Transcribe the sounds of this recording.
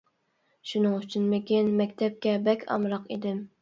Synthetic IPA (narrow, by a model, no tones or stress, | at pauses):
ʃunɨŋyt͡ʃʰinmɪkʲinmɛkʲt̪ʰɛp̚kʲɛbɛkʲʰɑ̰mɾɑqḭd̪ɪm